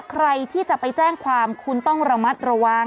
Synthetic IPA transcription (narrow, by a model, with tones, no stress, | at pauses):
kʰɾa˧jt̪ʰiː˥˩t͡ɕa˨˩pa˧jt͡ɕɛː˥˩ŋkʰwaː˧mkʰu˧nt̪ɔ˥˩ŋɾa˧ma˦˥t̪̚ɾa˧wa˧ŋ